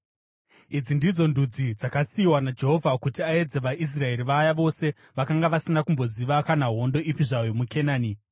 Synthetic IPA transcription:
id͡zindid͡zo̞ndʱud͡zid͡zakasiːwanad͡ʒe̞ɦo̞vʱakutiae̞d͡ze̞ʋaʔis̬rae̞riʋajaʋo̞se̞ | ʋakaŋɡaʋasinakumbo̞ziʋakanaɦo̞ndo̞ʔipiʐajo̞muke̞naːni

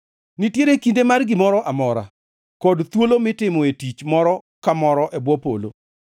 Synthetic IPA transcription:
nitjeɾekindemarɡɪmɔɾɔʔamɔɾa̰ | kɔdt̪wolomɪtɪmɔetit͡ʃmɔɾɔ | kamɔɾɔʔɛbwɔpo̰lo̰

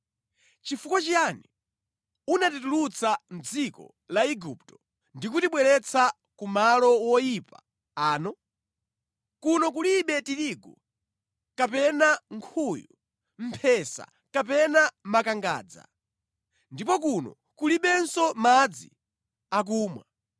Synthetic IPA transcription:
t͡ʃifukɔt͡ʃianɛ | unatitulut͡sam̩d͡zikɔ̰ | laiɡuptɔ̥ | ndikutiɓwɛɾɛt͡sʰa | kumalɔwɔjipa | aːnɔ | kunɔk̬uliɓɛtiɾiɡɔ | kapɛnaŋkʰuju | m̩pʰɛsa̰ | kapɛnamakaŋɡa̰ːd͡za̰ | ndipɔk̬unɔ̰ | kuliɓɛnsɔmad͡zḭ | ak̬uːmwa

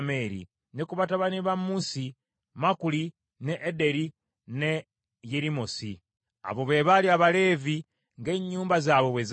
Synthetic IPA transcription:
me̞ɾḭ | nekuβataβaniβamusi | makuli | neʔːde̞ɾi | ne | jeɾimosi | a̰βo̞βe̞βaliaβale̞vi | ŋɡe̞ɲːuːmbazaːβo̞βwez

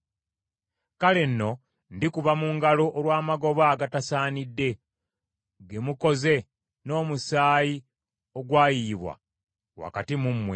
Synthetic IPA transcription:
kale̞nːo̞ | ndikuβamuŋɡalo̞ʔːlwaːmaɡo̞βaːɡatasaːnidːe̞ | ɡe̞muko̞ze̞ | no̞ːmusaːji | o̞ɡwaːjiβwa̰ | wa̰katimumːwe

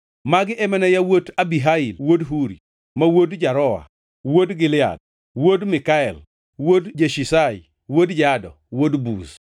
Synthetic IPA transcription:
maɡɪʔɛmɛnɛjawotabiɦailwodɦuɾḭ | mawodd͡ʒaɾɔa̰ | wodɡɪlɪa̰d̚ | wodmɪkaɛl | wodd͡ʒeʃisajḭ | wodd͡ʒadɔ̰ | wodbus

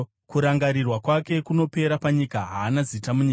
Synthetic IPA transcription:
kuɾaŋɡaɾirwakwake̞kuno̞pe̞ɾapaɲikaɦaːnazitamuɲik

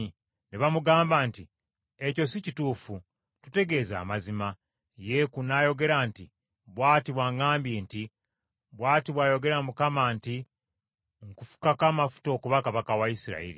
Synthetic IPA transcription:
neβamuɡaːmbanti | e̞co̞sicituːfu | tute̞ɡe̞ːza̰ːmazima | je̞kunaːjo̞ɡe̞ɾanti | βwaːtiβwaŋaːmbjeːnti | βwaːtiβwaːjo̞ɡe̞ɾamukamanti | ŋkufu̥kakamafu̥to̞ːkuβakaβakawaisiɾa̰iɾḭ

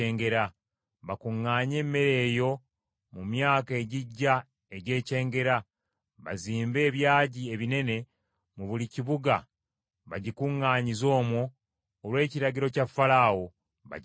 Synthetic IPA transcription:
eːŋɡe̞ɾa | βakuŋːaːɲe̞ːmːe̞ɾe̞ːjo̞ | mumjaːke̞ːɟiɟːa | e̞ɟe̞ːce̞ːŋɡe̞ɾa | βaziːmbe̞ːβjaːɟie̞βine̞ne̞ | muβuliciβuɡa | βaɟikuŋːaːɲizo̞ːmwoː | lwe̞ːciɾaɟiɾo̞cafalaːwo̞ | βa̰ɟ

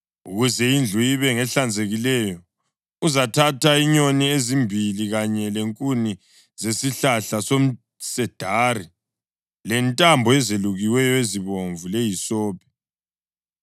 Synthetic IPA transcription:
ṵɣuzɛind͡ɮʱujiβɛŋɛɬand͡zʱeɣilɛjɔ | uzatʰatʰaiɲoniezimbʱiliɣaɲɛleŋkʼuni | zesiɬaɬasom̩ | sɛd̥ʱaːri | lɛntʼambʱɔɛzeluɣiwɛjɔeziβoɱvulejisɔːpʰɛ̥

